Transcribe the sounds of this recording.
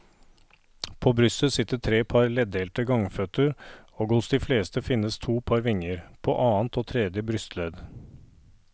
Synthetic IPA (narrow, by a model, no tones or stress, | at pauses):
pʰoːbɾʏsəsɪt̪ːəʈʰɾeːpʰɑɾlɛd̪eːlt̪əɡɑŋfœt̪əɾ | oːɡhʊsd̪iːfleːst̪əfɪnːəst̪ʰuːpʰɑɾʋɪŋəɾpʰo̰ːʔɑːnt̪oːt̪ʰɾɛːd̪jəbɾʏst̪ʰlɛd̪